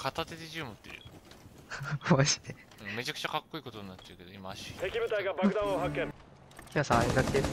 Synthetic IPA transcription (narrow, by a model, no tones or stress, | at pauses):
kʰat̪at̪e̞d̪eʑɨːmɯt̪ːeɾɯ̰ | βaɕi̥t̪e | ɯ̃me̞t͡ɕakɯ̟̥t͡ɕakakːo̞iːko̞t̪oɲ̟ĩnat͡ɕːaɯ̟ke̞d̪oimaːɕi̥t̪ekʲibɯ̟t̪aiɡabakɯ̟d̪ãoːɦakːẽn | kʲiasãeɡ̪ak̪e